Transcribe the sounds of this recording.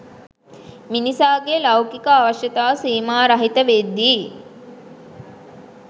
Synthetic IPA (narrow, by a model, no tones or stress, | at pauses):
minisaːɡelɐwkikəaːʋɐʃjət̪aːsiːmaːɾɐɦit̪əʋed̪ːiː